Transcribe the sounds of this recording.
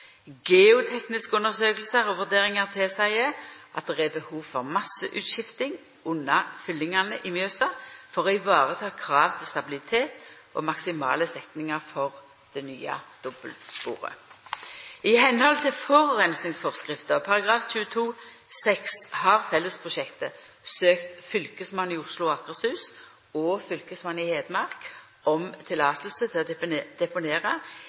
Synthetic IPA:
ɡeːʊt̪ʰɛknɪskəʉnəʁsøːkəlsəʁɔʋʉʁd̪eːʁɪŋɑʁt̪ʰɛsæɪəʔɑt̪̚d̪ɛʁɛbəhuːʋfɔʁmɑsːəʔʉ̰ːt̪ʃɪft̪ɪŋ | ʊnːɑfʏlːɪŋɑnəʔɪmjøːsɑfɔʁoːɪʋɑːʁət̪ʰɑːkʰʁɑːʋt̪ʰɪlst̪ɑbɪlɪt̪ʰeːt̪ʔo̰mɑksɪmɑ̰ːləsɛt̪nɪŋɑʁfɔʁ | d̪̥ɛnyːɑ̰d̪̥ɔbə̰lsbṵːʁə̰ | ɪhɛnhɔlt̪ʰɪlfɔʁʁɛnsnɪŋsfɔʁskʁɪft̪əʁpʰɑʁɑɡʁɑːfc͡çʉːət̪ʰuː | sɛkshɑːʁfɛlːəspʰʁʊʃɛkt̪əsøːkt̪fʏlkəsmɑnːɪʊʂlʊɑkəʁshʉːs | ɔːfʏlkəsmɑnːɪheːd̪əmɑʁk | ʔɔmt̪ʰɪlɑːt̪ʰəlsət̪ʰɪlɔd̪ɛpʊneːʁɑ

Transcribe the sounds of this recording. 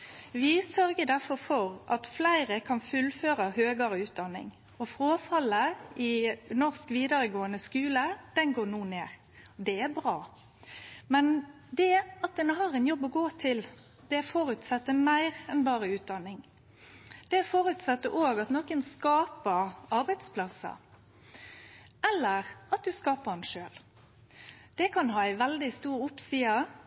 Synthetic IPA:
ʋɪsœɾɡəd̪æʁfɔɾfɔɾʔɑt̪flæɪʁəkʰɑnfʉlføːɾɑhøːɡɑɾəʉːt̪̚d̪ɑnːɪ̰ŋ | ɔfɾoːfɑlːəɪnɔʁskʋiːd̪ɑɾəɡoːənəskʉːləd̪̥ɛnɡoːnuːneːʁ | d̪ɛæbɾɑː | mɛn | d̪ɛɑt̪̚d̪ɛnəɦɑːʁɛnjɔbːɔɡoːt̪ʰɪl | d̪̥ɛæfɔɾʉt̪sɑt̪ːəmæɪʁɛnbɑːɾəʉːt̪̚d̪ɑnːɪŋ | d̪̥ɛæfɔɾʉt̪sɑt̪ːəʔoːɡɑt̪nɔkənskɑːpəɾɑɾbæɪd̪spʰlɑsə̰ | ɛlːəʁɑt̪̚d̪ʉskɑːpəɾɛnʃøːl | d̪̥ɛkʰɑnɦɑːæɪʋɛld̪ɪst̪uːɾʊpsiːɑ

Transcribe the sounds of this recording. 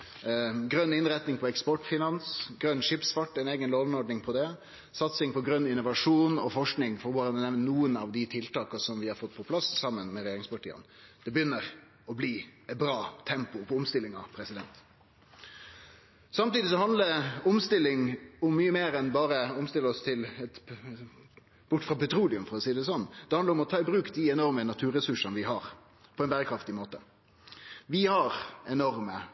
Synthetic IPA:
ɡɾœnːɪnɾɛt̪nɪŋpʰɔɛkspɔʈfɪnɑnsɡɾœnːʂɪpsfɑʈːɛɪneːɡənloːlnɔɖɳɪŋpʰɔd̪ɛ | sɑt̪sɪŋpɔɡɾœnːɪnːʊʋɑʂuːnɔ̰fɔʂknɪŋfɔɾʋʊɾɑnd̪ɛnɛʋnənuːənɑʋd̪ɪt̪ʰɪlt̪ɑːkəsɔmʋɪhɑɾfɔt̪ːpʰɔpʰlɑssɑmːənmɛɾɛjeːɾɪŋspɑʈḭːə̰nd̪̥ɛbəjʏnːəɾ | ɔbliːɛbɾɑːt̪ʰɛmpʊpʰɔʊmst̪ɪlːɪŋɑ̰ʋpʰɾɛsɪd̪ɛnt̪ | sɑmt̪iːd̪ɪsɔhɑnd̪ləʊmst̪ɪlːɪŋʊmːyːəmeːɾɛnbɑːɾəʊmst̪ɪləɔst̪ʰɪlɛt̪ | b̥ʊʈːfʁɑpɛt̪ʰɾuːlɪʉmfɔɾɔsiːd̪ɛs̬ɔnd̪̥ɛhɑnd̪əɾʊmɔt̪ʰɑːɪbɾʉːkd̪ɪɛnɔɾmənɑt̪ʰʉːɾɛsʉʂənʋɪɦɑːɾ | pʰɔɛnbæːɾəkʰɾɑft̪ɪmoːt̪ə | ʋɪhɑɾɛnɔɾmə

